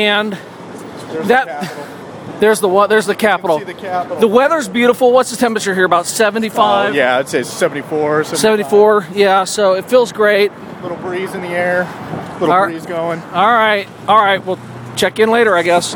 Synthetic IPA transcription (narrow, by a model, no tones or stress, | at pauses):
ɨ̃n | ðɨt̪ˠ | ðə˞zðəwʌðə˞zðɨkʰæpəɾl̩ˠkʰæðəwɛðə˞zbjʉɾəfl̩ˠwʌtsðɨtʰɛ̃mpɹət͡ʃə˞ɦiɹəbaʊtsɛṽn̩tifaɪvjæɨdseɪsɛvn̩tifɔɹsɛsɛvɨ̃n̩tifɔɹjæsoʊɨtfilˠzɡɹeɪt̚ | lɪɾl̩ˠbɹizɨ̃nðiɛɹlɪɾlizɡoʊɪ̃ŋɔlˠɹaɪt̚ | ɔlˠɹaɪt̚wilˠ | t͡ʃʰɛkɨ̃nleɪɾə˞aɪɡɛs